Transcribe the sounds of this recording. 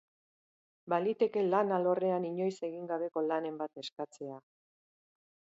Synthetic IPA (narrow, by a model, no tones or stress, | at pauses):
balit̪e̞ke̞lanalo̞re̞aniɲo̞jse̞ɣiŋɡaβe̞ko̞lane̞mbat̪e̞skat͡se̞a